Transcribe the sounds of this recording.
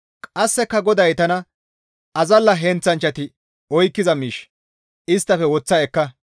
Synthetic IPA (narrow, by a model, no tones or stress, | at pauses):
kʼɐsːɛkːɐɡɔd̪ɐjt̪ɐnɐ | ɐzɐlːɐɦɛnt͡sːɐnt͡ʃːɐt̪ɪ | ɔjkːɪzɐmiːʃ | ɪst̪ːɐfɛwɔt͡sːɐɛkːɐ